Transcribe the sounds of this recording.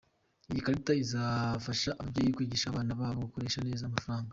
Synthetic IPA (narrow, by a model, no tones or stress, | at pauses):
ijikaɾitaizafaʃaʔabɟejiikwiːɟiʃaːβaːnaβaːβoɡukoɾe̞ːʃane̞ːzaːmafaɾaːŋɡa